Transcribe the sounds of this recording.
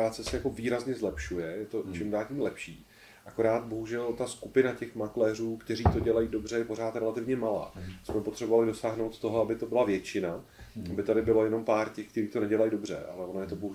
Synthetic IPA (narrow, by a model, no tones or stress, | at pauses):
aːt͡sɛsɛjako̞viːɾazɲɛzlɛpʃujɛjɛt̪o̞t͡ʃɪmdaːlcimlɛpʃiː | ʔako̞ɾaːt̪̚bo̞ɦuʒɛlt̪askupɪnacɛxmaklɛːruːkt̪ɛɾiːt̪o̞ɟɛlajido̞br̝ɛjɛpo̞ɾaːt̪ɾɛlat̪ɪvɲɛmala̰ːmɪsmɛpot̪r̝̥ɛbovalɪdo̞saːɦnowt̪t̪ːo̞ɦoabɪt̪o̞bɪlavjɛt͡ʃɪna | ʔabɪt̪adɪbɪlo̞jɛno̞mpaːɾcɛxk̚t̪ɛɾiːt̪o̞nɛɟɛlajido̞br̝ɛ̰ʔa̰lɛvonojɛt̪oboɦu